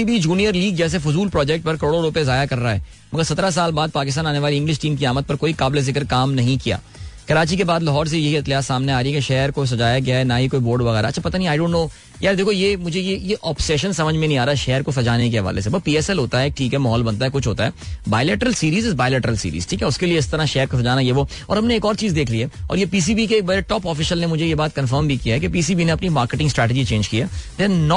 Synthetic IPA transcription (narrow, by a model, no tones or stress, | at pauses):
ibʱid͡ʒuːnijəɾliːɡ̚d͡ʒɛːs̬efʊzuːlpɾɔːd͡ʒɛk̚ʈ̚pɐɾkɐɾoːɽoɾʊpezaːjakɐɾːaɦɛ̰ː | mɐɡəɾsɐt̪ɾas̬aːlbaːd̪̚paːkɪs̬t̪aːnaːneʋaːliɪ̃ŋɡlɪʃʈĩːmkiaːmət̪̚pɐɾkoːikaːblezɪkəɾkaːmnɐɦĩkija̰ː | kɐɾaːt͡ʃikebaːd̪lɐɦɔːɾs̬ejɐɦiɐt̪lijaːsaːmneaːɾiɦɛkeʃɛːɾkos̬ɐd͡ʒaːjaɡɐjaɛnɐɦikoːiboːɾɖʋɐɣɛːɾaɐ̰tːt͡ʃʰapɐt̪anĩĩaːɪɖõːɳʈnoː | jaːɾd̪eːkʰojemʊd͡ʒʱejejeʔɔːpsɛʃənsɐməd͡ʒʱmẽnɦĩaːɾaɛʃɛːɾkosɐd͡ʒaːnekeɦɐʋa̰ːlḛsebɐpiːɛsɛlɦoːt̪aɦɛːk̚ʈʰiːkɦɛmɐɦɔːlbɐnt̪aɦɛkʊt͡ʃʰɦoːt̪aɦɛ̰ːbaːɪleːʈəɾəlsiːɾiːzɪzbaːɪleːʈəɾəlsḭːɾḭzʈʰiːkɛʊskelieɪst̪ɐɾãʃɛːəɾkas̬ɐd͡ʒaːnajeʋo | ɔ̰ːɾɦɐmneeːkɔːɾt͡ʃiːzd̪eːkʰliɦɛːɔ̰ːɾjepiːs̬iːbikebɐɾeʈɔːpɔːfɪʃəlnemʊd͡ʒʱejebaːt̪̚kɐ̃nfəɾmbʱikiaɦɛkepiːsiːbineɐpnimaːɾkeʈɪ̃ŋsʈɾɛːʈɪd͡ʒit͡ʃẽːnd͡ʒkijaːd̪ɛ̃nːɔ